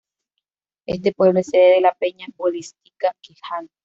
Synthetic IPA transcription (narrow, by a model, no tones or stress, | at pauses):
ʔest̪epwe̞βleseðeðelapeɲabolist̪ikakihan